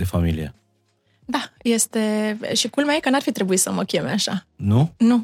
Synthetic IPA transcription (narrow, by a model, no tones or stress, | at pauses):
efamilie | d̪aje̞st̪e̞ʃikulmeajekənarfit̪ɾe̞buit̪səməkʲe̞meaʃa̰nunu